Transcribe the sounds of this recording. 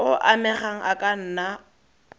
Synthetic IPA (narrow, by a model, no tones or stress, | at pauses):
ʊʔamɛχaŋ̩ʔakʼan̩ːna